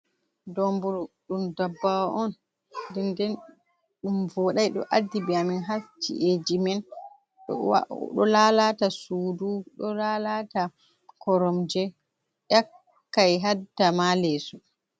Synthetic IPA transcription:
dɔmbuɾuɗumdabːawaʔɔn | dɛndɛn | ɗumvɔɗajɗɔ̰ʔadːibiaminɦast͡ʃḭʔed͡ʒimɛn | ɗ̰ɗɔ̰lalatasuːduɗɔlalata | kɔɾɔmd͡ʒɛ | ɗakː | ajɦadamalɛsu

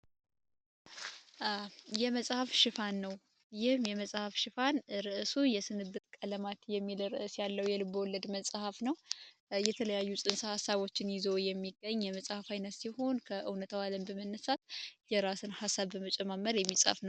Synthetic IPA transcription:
ʔajɛməsʼhafʃɪfanːəw | jɪhmjɛməsʼhafʃɪfanɾɨʔɨsujɛsɨnɨbɨt̪kʼələmat̪jɛmːilɾɨʔɨsjalːəwjɛlɨbəwɔlːəd̪məsʼhafnəw | jɛt̪ʰələjajːusʼɨnsəhasːaβo̞t͡ʃːɪnjɪzojɛmːiɡːəɲːjɛməsʼhafajnət̪siho̞nkʰəʔɨwnət̪ʰawaləmbəmənːəsat̪̚jɛɾasɨnhasːaβːəmət͡ʃʼɛmamːəɾjɛmːisʼfnəw

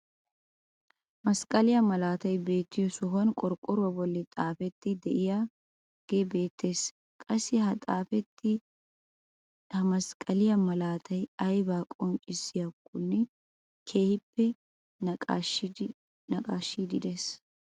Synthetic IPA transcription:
mɐskʼɐlɪjɐmɐlaːt̪ɐjbe̞ːt̪ːɪjɔsɔɦɔnkʼɔɾkʼɔɾʊwɐbɔlːɪt̪ʼaːfɛt̪ːɪd̪ɛʔɪja | ɡ̥ebe̞ːt̪ʰːe̞ːs | kʼɐsːɪɦɐt̪ʼaːfɛt̪ːɪ | hɐmɐskʼɐlɪjɐmɐlaːt̪ʰɐjɐjbaːkʼɔnt͡ʃʼɪsːɪjɐkʼːʊnːɛ | kʰe̞ːhɪpːɛ | nɐ | nɐkʼaːʃːiːd̪ɪd̪es

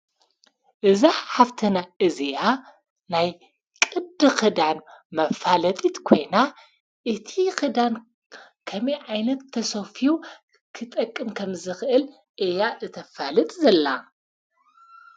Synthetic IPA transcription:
ʔɨzaħaft̪ʰɐnaʔɨzeja | naj | kʼɨd̪ɨxɨd̪anmɐfalɐt̪ʼit̪kʰo̞jna | ʔɨt̪ʰixɨd̪an | kʰɐmiʕajnɐt̪ʰːɐsofiju | kʰɨt̪ʼɐkʼːɨmkʰɐmzɨxɨʔɨl | ʔejaʔɨt̪ʰɐfalɨt̪ʼzɐlːa

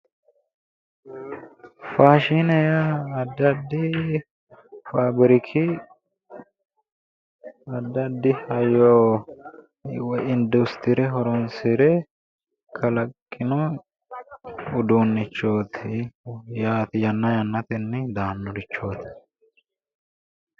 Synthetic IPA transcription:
faːʃinɛjɐːd̪ːɐd̪ːɪ | fabɪɾɪkʰɪ | ɐd̪ːɐd̪ːɪhɐjoː | wɪnd̪ʊst̪ɪɾɛɦɔɾɔnsɪɾɛ | kʰɐlɐkʼːɪnɔ | ʊd̪uːnːɪt͡ʃːo̞ːt̪ʰɪjaːt̪ɪjɐnːɐjɐnːɐt̪ɪnːɛd̪aːnːɔɾɪt͡ʃːo̞ːt̪ɪ̥

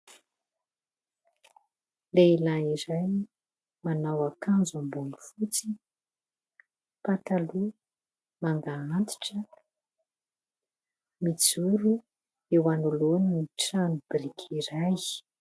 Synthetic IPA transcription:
leilaiɾajni | manawakanzambunufut͡si | pat̪alu | maŋɡaant̪i̥ʈ͡ʂə | mit͡suɾu | ewanuloniniʈ͡ʂanub̥ɾikʰiɾaj

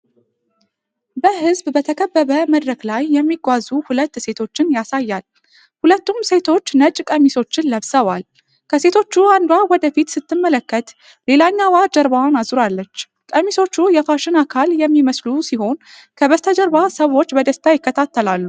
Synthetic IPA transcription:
bəɦɨzbbət̪ʰəkʰəbːəβəməd̪ɾəɡlajːɛmːiɡʷazuhulət̪ːse̞t̪ʰo̞t͡ʃːɪnjasajːal | hulət̪ːumse̞t̪ʰo̞t͡ʃːnət͡ʃʼkʼəmːiso̞t͡ʃːɪnləβsəwal | kʰəse̞t̪ʰo̞t͡ʃːuand̪wawɔd̪əfit̪sɨt̪ːɨmːələkːət̪ | le̞laɲːawad͡ʒəɾbawnazuɾalːət͡ʃː | kʼəmːiso̞t͡ʃːujɛfaʃɪnakʰaljɛmːiməslusiho̞n | kʰəβəst̪ʰəd͡ʒəɾbasəwo̞t͡ʃːbəd̪əst̪ʰajɪkːət̪ʰat̪ːəlalːu

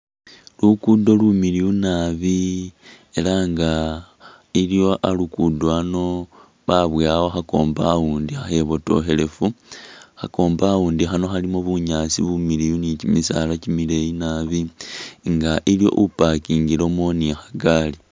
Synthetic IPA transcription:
lukudo̞lumiliunaβi | e̞laŋɡa | iljo̞ʔalukudoano̞ | βaβwaːwoxako̞ːmbawuːndiaxe̞βoto̞̰xe̞le̞fuxako̞ːmbawuːndixano̞xalimoβuɲaːt͡sḭβumilijunicimisa̰ːlacimile̞jinaβiŋɡaʔiljo̞̰ʔupakiːŋɡilo̞moniaxḁɡaːli

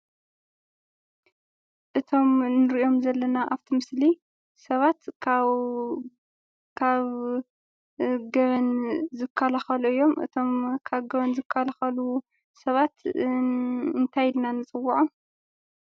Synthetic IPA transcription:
ʔɨt̪ʰo̞mnɨɾio̞mzɐlːɐnaʔaβt̪ʰimɨsli | sɐβat̪ | kʰaβ | ɡɐβɐnzɨkʰːɐlɐxɐluɨjːo̞mʔɨ̰t̪ʰo̞mkʰaβɡɐβɐnzɨkʰːɐlaxɐlu | sɐβat̪ | ɨnt̪ʰajɪlnanːɨt͡sʼɨwːuʕom

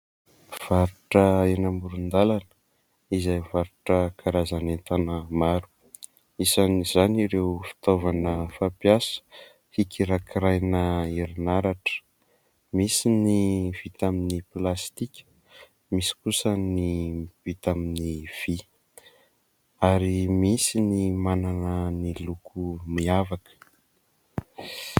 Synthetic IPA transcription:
v̥aɾuʈ͡ʂəenambuɾund̪alanə̥ | izajvaɾuʈ͡ʂəkʰaɾazanent̪anəmaɾu̥ | isanizaniɾewfi̥t̪ovanəfapjasə̥ | hikiɾakiɾajnəiɾinaɾaʈ͡ʂə̥ | misiniv̥it̪aminiplast̪ikʲə̥ | misi̥kusənivit̪aminiv̥i | aɾimisinimananənilukʰumiavakə̥

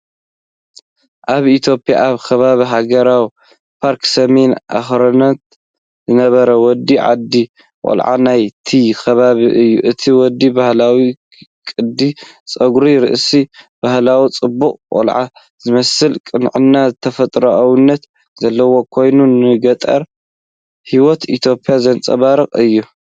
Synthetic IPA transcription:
ʔaβit̪ʰjo̞pʼja̰aβkʰɐβaβiɦaɡɐɾaw | pʰaɾksɐme̞nʔa̰xɾɐnɐt̪ | zɨnɐβɐɾɐwɔd̪ːiʕa̰d̪i | kʼo̰lʕa̰najt̪ʰikʰɐβaβiʔɨjːuʔɨt̪ʰiwɔd̪ːibahlawi | kʼɨd̪it͡sʼɐɡɾiɾɨ̰ʔsib̥ahlawit͡sʼɨbːukʼkʼo̰lʕa̰ | z̥ɨmɐsɨlkʼɨnʕɨnːazɨt̪ʰɐfɐt̪ʼɾoʔawɨnːɐt̪ | z̥ɐlːɐwo̞kʰo̞jnunɨɡɐt̪ʼɐ̰ɾ | hiwɔt̪it̪ʰjo̞pʰʼːjazɐnt͡sʼɐ̰βaɾɨqʼɨjːu

